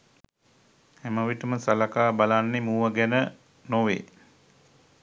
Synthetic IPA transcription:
hæməʋiʈəməsalakaːbalanːemuːʋəɡɛnə | noʋḛ

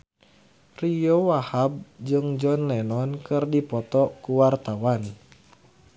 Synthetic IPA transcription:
rijowahab̚d͡ʒɨŋd͡ʒɔnlɛnɔnkɨrdipɔt̪ɔkuwart̪awan

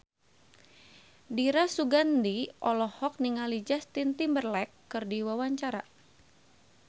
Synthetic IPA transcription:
diɾasuɡandiʔɔlɔhɔk̚niŋalid͡ʒast̪int̪imbərlɛkːɨrdiwawaɲt͡ʃaɾa

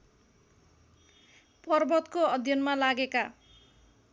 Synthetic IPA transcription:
pʌrbʌt̪koʌd̪ʱjʌnmalaɡeka

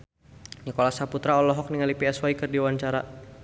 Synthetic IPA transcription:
ɲəkolasaput̪ɾaɔlɔɦɔk̚niŋalipiɛswaikɨrdiwaɲt͡ʃaɾa

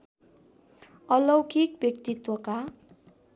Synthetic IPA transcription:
ʌlʌwkikbjʌk̚t̪it̪wʌka

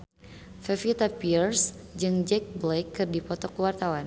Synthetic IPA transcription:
fɛfit̪apirsd͡ʒɨŋd͡ʒɛk̚blejkːɨrdipɔt̪ɔkuwart̪awan

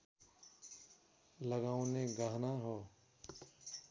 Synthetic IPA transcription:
ləɡaːõnẽɡaːɦnaɦoː

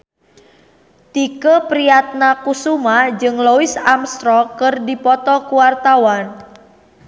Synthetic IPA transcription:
t̪ikəpɾiat̪̚nakusumad͡ʒɨŋloisamst̪ɾɔkɨrdipɔt̪ɔkuwart̪awan

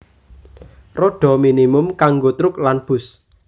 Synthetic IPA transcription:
roɖ̥ɔ̤minimʊmkaŋɡot̪ɾʊk̚lanb̥ʊ̤s

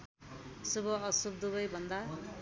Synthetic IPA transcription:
subʌʌsub̚d̪ubʌjbʱʌnd̪a

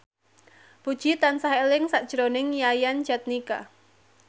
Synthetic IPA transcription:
pud̥ʒ̥it̪ansaɦɛlɪŋsaʔd̥ʒ̥ɾonɪŋjajan̥d͡ʒat̪̚nika̰

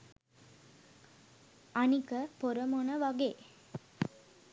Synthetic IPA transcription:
anikəpoɾəmonəʋaɡeː

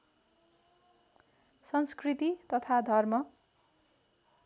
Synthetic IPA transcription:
sʌnskrit̪it̪ʌt̪ʰad̪ʱʌrmʌ

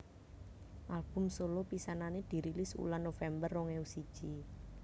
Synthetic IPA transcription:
ʔalb̥ʊ̤msolopisananed̪̥i̤ɾilɪsṵlanːofɛmbərːɔŋɛusid̥ʒ̥i

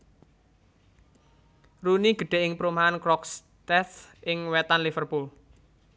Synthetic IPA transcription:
runiɡ̥ə̤ɖ̥e̤ʔɪŋpəɾumaankɾɔks | t̪ɛθɪŋwɛt̪anlifərpul

